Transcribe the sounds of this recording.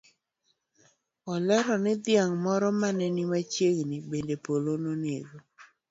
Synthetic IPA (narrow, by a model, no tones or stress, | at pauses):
ɔlɛɾɔnɪd̪ɪaŋmɔɾɔmanɛnimat͡ʃjeŋnɪbendepolononjeɡo